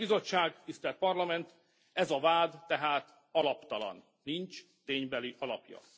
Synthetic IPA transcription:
bizo̞t͡ʃːaːɡt̪ist̪ɛlt̪̚pɒrlɒmɛnt̪ | ɛzɒvaːd̪ːɛɦaːt̪ | ɒlɒpt̪ɒlɒ̰nːint͡ʃ | t̪eːɲbɛliʔɒlɒpjɒ̰

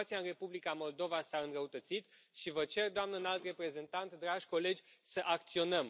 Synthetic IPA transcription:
t̪siaɨnre̞publikamo̞ld̪o̞vasaɨnɾəut̪ət̪sit̪ʃivət͡ʃe̞rd̪oamnəɨnalt̪re̞pɾe̞ze̞nt̪ant̪d̪ɾaʒʲko̞le̞d͡ʒʲsəʔak̚t̪sio̞nəm

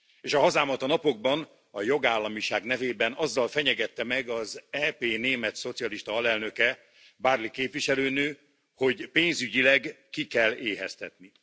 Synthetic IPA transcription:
eːʃɒɦɒzaːmɒt̪ɒnɒpo̞ɡ̚bɒn | ɒjo̞ɡaːlːɒmiʃaːɡnɛveːbɛnɒzːɒlfɛɲɛɡɛt̪ːɛmɛɡɒzɛːpeːneːmɛt̪so̞t̪sijɒliʃt̪ɒɒlɛlnø̞kɛ | baːrlikeːpʋiʃɛløːnøː | ho̞ɟpeːnzyɟilɛɡː | ikɛlːeːɦɛ̰st̪ɛt̪ni

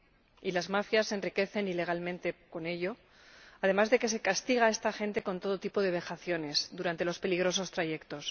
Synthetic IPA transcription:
ilazmafjasːe̞nrike̞θe̞nile̞ɣ̞almẽnt̪e̞ko̞ne̞ʎo̞ | aðe̞mazðe̞ke̞s̬e̞kast̪iɣ̞ae̞st̪axe̞nt̪e̞ko̞nt̪o̞ð̞o̞t̪ipo̞ðe̞β̞e̞xaθjo̞ne̞zðuɾant̪e̞lo̞spe̞liɣ̞ɾo̞so̞st̪ɾaʝe̞kt̪o̞s

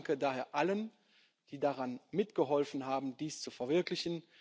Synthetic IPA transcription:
ŋkədaːɦeːɐʔalən | d̥iːdaʁanmɪtɡ̥əɦɔlfn̩ɦaːbm̩diːst͡sufɛɐvɪɐklɪçən̩

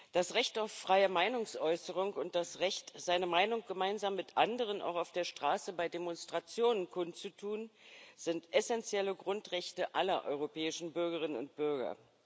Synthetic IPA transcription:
d̥asʁɛçtaʊfːʁ̥aɪəmaɪnʊŋsʔɔʏsəʁ̞ʊŋʊnt̚d̥asʁɛçtz̥aɪnəmaɪnʊŋɡ̥əmaɪnzaːmːɪtʔandəʁ̞ənʔa̰ʊxaʊfd̥eːɐʃtʁ̥aːsəbaɪdemɔnstʁ̥at͡sjoːnənkʰʊnt͡sutʰuːnz̥ɪntʔɛsɛnt͡sjɛləɡʁʊntʁɛçtəʔalɐʔɔ̰ʏʁopʰɛːɪʃn̩bʏɐɡəʁ̞ɪnənʊ̰nt̚b̥ʏɐɡɐ̰

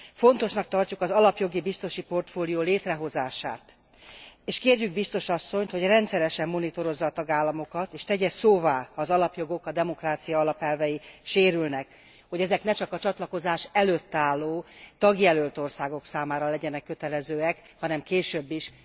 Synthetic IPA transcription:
fo̞nt̪o̞ʃnɒk̚t̪ɒrcukɒzɒlɒpjo̞ɡibist̪oʃipo̞rt̪foːlijoːleːt̪rɛɦo̞zaːʃa̰ːt̪ | eːʃkeːrjyɡ̚bist̪o̞ʃɒsːo̞ɲt̪ho̞ɟrɛnt̪sɛɾɛʃɛmːo̞nit̪o̞ɾo̞zːɒːt̪ɒɡaːlːɒmo̞kɒt̪eːʃt̪ɛɟɛsoːvaːɒːzɒlɒpjoɡokɒd̪ɛmo̞kraːt̪sijɒːlɒpɛlvɛjiʃeːɾylnɛk | ho̞ɟɛzɛknɛt͡ʃɒkɒt͡ʃɒt̪lɒko̞zaːʃɛløt̪ːaːlːoːt̪ɒɡjɛlølt̪o̞rsaːɡo̞ksaːmaːɾɒlɛɟɛnɛkːøt̪ɛlɛzøːɛk | hɒnɛmkeːʃøbːiʃ

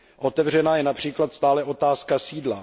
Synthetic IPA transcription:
ʔo̞t̪ɛvr̝ɛnaːjɛnapr̝̥iːklat̪st̪aːlɛʔo̞t̪aːskasiːdla

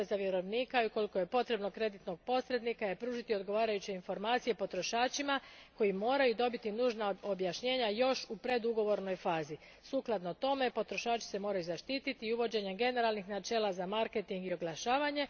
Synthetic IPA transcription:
ezaʋje̞ɾo̞ʋniːkauko̞liko̞je̞po̞t̪ɾe̞bno̞kɾe̞d̪it̪no̞ɡ̚po̞sɾe̞d̪nikajepɾuːʒit̪ioɡo̞ʋaːɾajut͡ɕe̞info̞ɾmaːt̪sije̞po̞t̪ɾo̞ʃaːt͡ʃimako̞jimo̞ːɾajud̪o̞bit̪inuːʒnaobjaʃɲe̞ːɲajo̞ʃupɾe̞d̪uɡo̞ʋo̞ɾno̞jfaːzi | suːklˠad̪not̪o̞me̞po̞t̪ɾo̞ʃaːt͡ʃi̥se̞mo̞ːɾajuzaʃt̪iːt̪it̪iuʋo̞d͡ʑe̞ɲe̞ɡe̞ne̞ɾalnixnat͡ʃe̞ːlazamaɾke̞t̪iŋɡio̞ɡlˠaʃaːʋaɲe̞

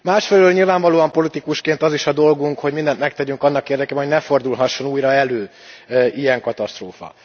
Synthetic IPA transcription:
maːʃfɛlɛløːlɲilvaːɱvɒloːɒmpo̞lit̪ikuʃkeːnt̪ɒziʃɒd̪o̞lɡuŋkho̞ɟmind̪ɛnt̪mɛk̚t̪ɛɟyŋkɒnːɒkeːrd̪ɛkeːbɛɦoɟnɛfo̞rd̪ulɦɒʃːo̞nuːjɾɒɛløː | ʔijɛŋkɒt̪ɒst̪roːfɒ̰

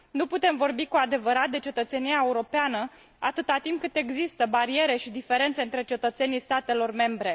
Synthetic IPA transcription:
nuput̪e̞mvo̞rbikuad̪e̞vəɾat̪̚d̪e̞t͡ʃe̞t̪ət̪se̞niaeuɾo̞peanə | at̪ɨt̪at̪imp̚kɨt̪e̞ɡzist̪əbaɾie̞ɾe̞ʃid̪ife̞ɾe̞nt̪seɨnt̪ɾe̞t͡ʃe̞t̪ət̪se̞nijst̪at̪e̞lo̞rme̞mbɾe̞

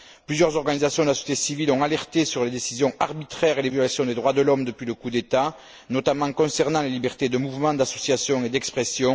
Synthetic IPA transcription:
plyzjœʁzɔʁɡanizasjɔ̃d̪əlasɔ̥sjet̪esivilɔ̃alɛʁt̪esyʁled̪esizjɔ̃aʁbit̪χɛʁelevjɔlasjɔ̃d̪ed̪ʁwad̪əlɔmd̪əpɥiləkud̪et̪a | nɔt̪amɑ̃kɔ̃sɛʁnɑ̃lelibɛʁt̪ed̪əmuvmɑ̃d̪asɔsjasjɔ̃ed̪ɛkspχesjɔ̃

